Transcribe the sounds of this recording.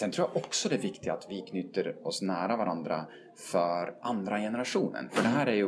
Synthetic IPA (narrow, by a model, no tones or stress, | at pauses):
sɛnt̪ʰɾuːjaʔɔksɔd̪ɛævɪkt̪ɪaat̪vɪkʰnʏːt̪ːəɾɔsnæːɾavaɾʔand̪ɾa̰ | fœɾʔand̪ɾajɛnəɾaʂuːnə̰nfœɖɛɦæːɾæɾjɵ